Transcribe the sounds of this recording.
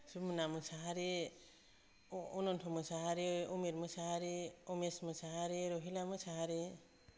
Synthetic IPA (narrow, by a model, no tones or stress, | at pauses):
sumɯnamɯsaɦaɾe | ɔnɔntʰɔmɯsaɦaɾeɔmeɾmɯsaɦaɾeɔmesmɯsaɦaɾeɾɔɦilamɯsaɦaɾe